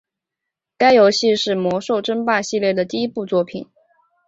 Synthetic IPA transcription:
ka˥ɪjo˧˥ʊɕi˥˧ʂɻ̩˥˩mwɔ˧˥ʂo˥˩ʊʈ͡ʂə˥npa˥˧ɕi˥˧ljɛ˥˩d̪ə˩t̪i˥˩i˥pu˥˧t͡swɔ˥˩pʰi˨˩˦n

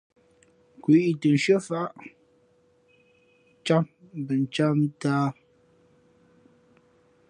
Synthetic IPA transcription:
kwi˦˨tə˨n̩˨ʃɥə˦fa˦ʔ | t͡ʃa˦m˨bə˨n˨t͡ʃa˦m˦taː˦

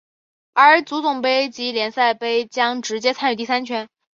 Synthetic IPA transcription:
ə˞˧˥t͡su˧˥t͡sʊ˨˩ŋpe˥ɪt͡ɕi˧˥ljɛ˧˥nsa˥˩ɪpe˥˩ɪt͡ɕjɑ˥ŋʈ͡ʂɻ̩˧˥t͡ɕjɛ˥t͡sʰny˨˩t̪i˥˩s̬a˥nt͡ɕʰɥɛ˥n

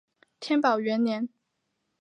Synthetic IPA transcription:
t̪ʰjɛ˥npɑ˨˩ʊɥɛ˧˥nljɛ˧˥n

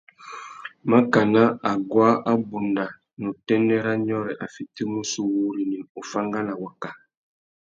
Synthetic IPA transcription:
ma˦ka˨na˦a˨ɡwa˦ʔa˦bu˨nda˨ | nu˨tɛ˦nɛ˦ɾa˦ɲɔ˦ɾɛ˨ʔa˨fi˨ti˦mu˦su˦wu˦ɾi˨ni˨u˨fa˦ŋɡa˦na˨wa˨ka˨

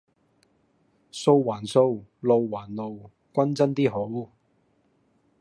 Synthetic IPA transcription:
so˧wwaː˨˩nso˧wlo˨˧wwaː˨˩nlo˨˧w | kʷɐ˥nt͡sɐ˥nt̪iː˥ɦo˨˥w

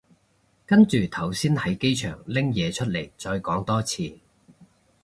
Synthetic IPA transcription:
kɐ˥nt͡ʃyː˨˩t̪ʰɐ˨˩wsiː˥nhɐ˨˥jke˥jt͡ʃʰœː˨˩ŋlɪ˥ŋjɛː˨˧t͡ʃʰɵ˥t̚le˨˩jt͡ʃɔː˧jkɔː˨˥ŋt̪ɔː˥t͡sʰiː˧

